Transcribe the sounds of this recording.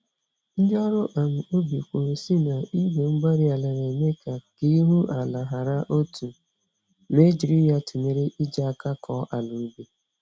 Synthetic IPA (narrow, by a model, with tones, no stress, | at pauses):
n̩˦dɔ˦ɾʊ˦ʔa˨mʊ˨o˦bi˨kʷo˨si˦na˨i˦ɡe˨ŋ͡m̩˦ɡ͡ba˦ɾi˦a˨la˨ɣe˨me˦ka˨ki˦i˦ɦu˦ʔa˨la˨ɦa˨ɾa˦ʔo˦tʰu˨ | me˦d͡ʒi˨ɾi˦ja˦tʰu˨me˨ɾe˦ʔi˦d͡ʒa˦a˦˨ka˦kʰɔ˦ʔa˨lu˨˦bi˦